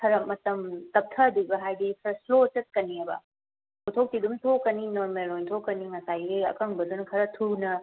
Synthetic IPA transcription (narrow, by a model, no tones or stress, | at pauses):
kʰɐɾɐmɐtɐmtɐp̚tʰɐːduɡɐɦajdikʰɐɾɐslot͡ʃɐt̚kɐniɐbɐ̰ | tʰotʰok̚tidumtʰokɐninɔmeɾojntʰokːɐniŋɐsajeɐ̰kʰɐŋbɐdunɐkʰɐɾɐtʰunɐ